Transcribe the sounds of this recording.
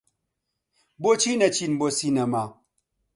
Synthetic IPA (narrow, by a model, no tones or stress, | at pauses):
bot͡ʃinɐt͡ʃinbosinama